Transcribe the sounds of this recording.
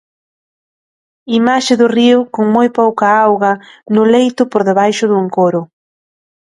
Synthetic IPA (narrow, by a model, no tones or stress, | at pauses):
imaʃɪðʊriʊkoŋmojpowkɐawɣɐnʊlejt̪ʊpoɾðeβajʃʊðuŋkoɾʊ